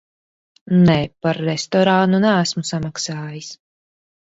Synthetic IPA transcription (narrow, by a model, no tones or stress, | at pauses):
nɛpaɾːɛst̪ɔɾanunææsmusamaksaːjis